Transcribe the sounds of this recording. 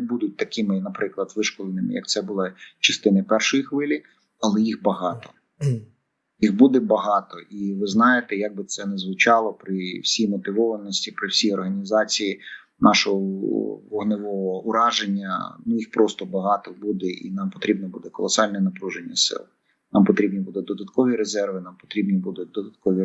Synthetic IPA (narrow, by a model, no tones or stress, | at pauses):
bud̪ʊt̚ʲt̪ɐkɪmɪnɐpɾɪklˠɐd̪ʋɪʃkɔlˠenɪmɪ̰jɐ̰k̚t̪sɛbʊlˠɑt͡ʃɐst̪ɪnɪpɛrʃɔjixʋɪlʲi | ɐlˠɛjixbɐɦɑt̪ɔ̥ | jixbud̪ɛbɐɦɑt̪ɔʔiʋɪznɑjet̪ɛjaɡ̚bɪt̪sɛnɛzʋɪt͡ʃɑlˠɔpɾɪwsʲijmɔt̪ɪʋɔʋɐnɔsʲtʲipɾɪwsʲijɔrɦɐnʲizɑt͡sʲiji | nɑʃɔɦɔʋɔɦnɪʋɔɔʊɾɑʒenʲːɐ̰nujixpɾɔst̪ɔbɐɦɑt̪ɔbud̪ɛʔḭnɑmpɔt̪ɾʲibnɔbud̪ɛkɔ̰lˠɔsɑlʲnɛnɐpɾuʒenʲːɐsɪ̰lˠ | nɑmpɔt̪ɾʲibnʲibud̪ɛd̪ɔd̪ɐt̪kɔʋʲiɾezɛrʋɪnɑmpɔ̥t̪ɾʲibnʲibud̪ʊd̪ɔd̪ɐt̪̚kɔʋʲi